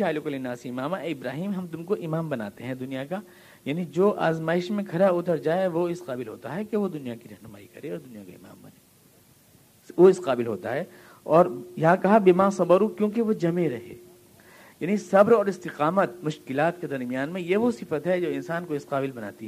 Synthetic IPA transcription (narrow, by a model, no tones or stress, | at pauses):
aːlʊkɐlenaːsɪmaːmaɪbɾaːɦiːmɦɐmt̪ʊmkoʔɪmaːmbɐna̰ːt̪eɦɛ̃d̪ʊnijaka | jaːnid͡ʒoːʔa̰ːzmaːɪʃmẽkʰɐɾaʊt̪əɾd͡ʒaːeʋoɪsqaːbɪlɦo̰ːt̪aɦɛkeʋod̪ʊnijakiɾɐɦnʊma̰ːikɐ̰ɾeɔːɾd̪ʊnijaka̰ɪ̰ma̰ːmbɐ̰neː | ʋoɪsqaːbɪlɦoːt̪a̰ɦɛ | ɔːɾjɐɦãkɐɦabɪmãːsɐbəɾukjõːkeʋod͡ʒɐmeɾɐɦḛː | jaːnisɐbɾɔːɾɪst̪ɪqaːmət̪mʊʃkɪlaːt̪ked̪ɐɾmijaːnmẽjeʋosɪfət̪ɦɛd͡ʒoːɪnsaːnkoɪsqaːbɪlbɐna̰ːt̪iɦɛ